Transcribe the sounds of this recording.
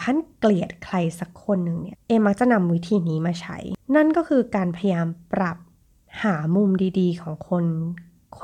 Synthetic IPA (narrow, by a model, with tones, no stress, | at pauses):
kʰa˥˩˨nkli˨˩ət̪̚kʰla˧jsa˧˦kʰːo˧nːɯ˨˩ŋni˥˩ɐʔeː˧mːa˦˥k̚t͡ɕa˨˩ʔna˧mwi˦˥t̪ʰiː˧niː˦maː˧t͡ɕʰa̰˦˥jna˥˩nkɔː˥˩kʰɯː˧kaː˧npʰa˧ja˧jaː˧mpɾa˨˩p̚ | haː˩˦mu˧mdiː˧diː˧kʰɔː˩˦ŋkʰo˧n | kʰ